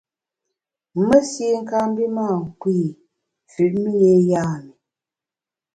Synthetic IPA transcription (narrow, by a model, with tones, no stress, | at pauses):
mə˦si˦ŋ̩˦ka˦m˦bi˦maː˦˨ŋ̩˨kwiː˦˨ | fʉ˨ʔmi˦je˦jaː˦˨mi˨